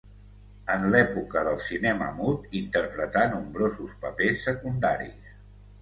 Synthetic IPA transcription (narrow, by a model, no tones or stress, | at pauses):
ənlɛpukəðəlˠsinɛmə̰mut̪int̪əɾpɾət̪anumbɾozuspəpesːəkund̪a̰ɾḭs